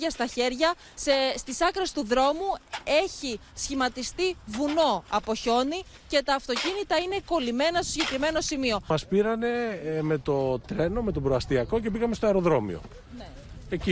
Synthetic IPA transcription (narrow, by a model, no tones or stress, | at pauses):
ɐst̪ɐçe̞ɾʝɐ | sest̪isɐkɾe̞st̪uðɾo̞mue̞çisçimɐt̪ist̪ivuno̞ɐpo̞ço̞ni | ce̞t̪ɐːft̪o̞cinit̪ɐine̞ko̞lime̞nɐst̪osɟe̞kɾime̞no̞simio̞mɐspiɾɐne̞me̞t̪o̞t̪ɾe̞no̞me̞t̪o̞bɾoɐst̪iɐko̞ce̞biɣɐmest̪oɐeɾo̞ðɾo̞mḭo̞̰ | ne | eci